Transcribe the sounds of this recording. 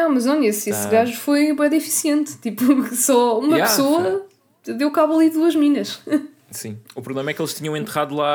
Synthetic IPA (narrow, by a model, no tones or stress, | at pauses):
nɐ̃w̃mɐʒɐɲesesɣaʒufojβɐɛd̪ifi̥siẽnt̪t̪ipusɔumɐpsoɐ | d̪ewkaβɐlˠiðuɐʒminɐʃ | sĩupɾuβlˠemɐɛkelˠʃt̪iɲɐ̃w̃ẽnt̪ɨʁaðulˠa